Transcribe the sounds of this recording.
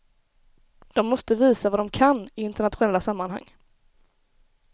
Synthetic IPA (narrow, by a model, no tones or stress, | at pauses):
d̪̥ɔmːɔst̪əviːsavad̪ɔmkʰanːɪɪnt̪əɳat̪ɧʊnɛlːasamːanha̰ŋː